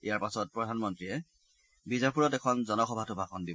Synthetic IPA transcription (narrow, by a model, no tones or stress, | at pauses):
ḭjaɹpasɔt̚pɹɔdʱanmɔntɹiɛ | bizapuɹɔtɛkʰɔnzɔnɔxɔbʱatʊbʱakɔndibɔ